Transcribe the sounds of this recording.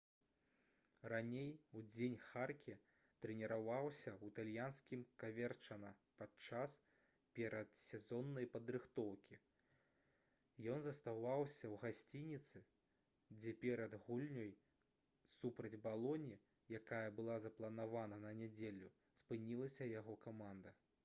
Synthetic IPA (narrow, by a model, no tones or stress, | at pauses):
ranʲejud͡zʲenʲxarkʲi | t̪ɾɛnʲɛɾavawsʲɐwt̪alʲjanskʲimkavʲɛrt͡ʂɐnɐpatt͡ʂas | pʲɛɾɐt̪sʲɛzɔnːɐjpɐd̪ɾɨxt̪ɔwkʲi | jɔnzɐst̪avawsʲɐwɣasʲt͡sʲinʲit̪sɨ | d͡zʲɛpʲɛɾɐd̪ɣulʲnʲɔj | supɾɐd͡zʲbalˠɔnʲi | jakajɐbɨlˠazɐplˠɐnavanɐnɐnʲɛd͡zʲelʲu | spɨnʲilˠɐsʲɐjaɣɔkamand̪ɐ